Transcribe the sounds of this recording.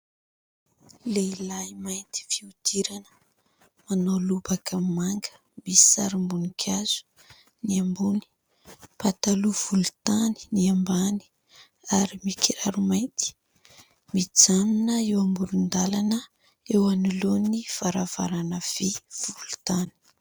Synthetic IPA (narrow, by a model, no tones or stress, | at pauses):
leilajmajnt̪i̥fiud̪̥iɾanə̥ | manolubakʰammaŋɡə̥ | misi̥sa̰ɾimbunikʲʰjaz̥u̥ | niambuni̥ | pat̪aluv̥ulut̪ani̥niambani̥ | aɾimikiɾaɾumajnt̪i̥ | mid͡zaminəewambulund̪alanə | ewaniloniv̥aɾava̰ɾanəv̥ev̥ulu̥t̪ani̥